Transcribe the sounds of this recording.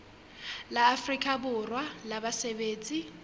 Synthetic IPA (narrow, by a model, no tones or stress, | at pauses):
laːfrikʼabʊrwalabasebeːt͡sʼi